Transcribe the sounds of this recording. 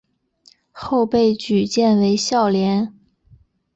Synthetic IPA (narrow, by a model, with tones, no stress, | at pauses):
xo˥˧ʊpe˥˩ɪt͡ɕy˨˩t͡ɕjɛ˥˩nwe˧˥ɪɕjɑ˥˩ʊljɛ˧˥n